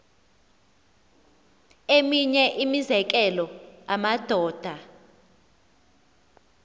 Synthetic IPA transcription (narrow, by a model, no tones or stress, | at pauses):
emiɲɛʔimizɛk̬ʼɛlɔamad̥ʱɔːd̥ʱa